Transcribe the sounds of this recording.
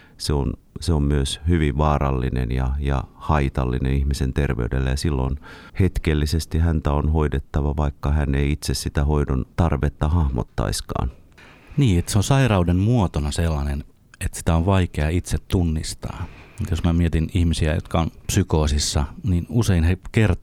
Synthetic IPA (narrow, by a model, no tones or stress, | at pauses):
seonseommyøshyʋiʋʋɑːrɑlːinḛnjɑjɑ̰hɑit̪ɑlːinenihmisent̪erʋḛydḛlːæjɑsilːo̰nhet̪kelːisest̪ihænt̪æonhoidet̪ːɑʋɑʋɑikːɑhæneiit̪sessit̪æhoidont̪ɑrʋet̪ːɑhɑhmo̰t̪ːɑ̰iskɑ̰ːn | niːet̪seonsɑirɑudemmuot̪onɑselːɑnen | et̪si̥t̪æoʋʋɑikeɑit̪set̪t̪unːist̪ɑ̰ːmut̪josmæmiet̪inihmisiæ̰jo̰t̪kɑompsykoːsisːɑninuseinhekert̪